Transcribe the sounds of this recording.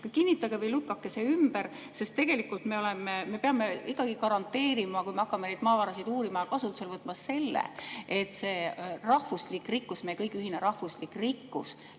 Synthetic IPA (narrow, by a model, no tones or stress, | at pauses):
kɑkinʲːit̪ːˑɑɡevɤjlukːˑɑkːe̞se̞ymb̥eɾ | se̞st̪ːe̞ɡ̥e̞likːult̪me̞olememe̞peɑme̞ikːˑɑɡ̥ikɑɾɑnt̪ːe̞ːɾimɑkujme̞ɑkːɑmenejd̪mɑːvɑɾɑsid̪uːɾimɑjɑkɑsut̪ːˑu̥se̞lvɤt̪ːˑmɑse̞lːḛet̪ːˑse̞ːrɑhvuslikˑrikːusmejekɤjkyɦineɾɑhvuslikːrikːṵs